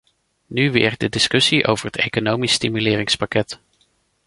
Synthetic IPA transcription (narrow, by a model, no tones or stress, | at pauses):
nyʋɪ̰ːɹdədɪskɵsiʔo̰wvəɹɦətejkonowmisːtimylɪːɾɪŋspakɛt